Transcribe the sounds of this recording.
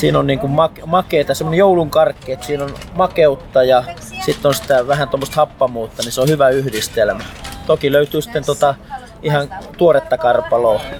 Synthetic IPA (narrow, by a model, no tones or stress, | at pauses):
siːnonniːŋkummɑkmɑkeit̪ɑsemːonejouluŋkɑrkːˑeːt̪siːnonmɑkeut̪ːɑjɑ | sit̪ːonsi̥t̪æʋæhænt̪omːost̪hɑpːɑmuːt̪ːɑniseohyʋæyhdist̪elmæt̪okiløyt̪yːsi̥t̪ːent̪ot̪ɑ | ihɑnt̪uoret̪ːɑkɑrpɑloː